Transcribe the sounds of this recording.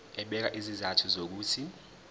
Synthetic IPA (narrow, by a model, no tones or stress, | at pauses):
ɛɓɛk̬a̰ʔizizatʰuzok̬uːtʰi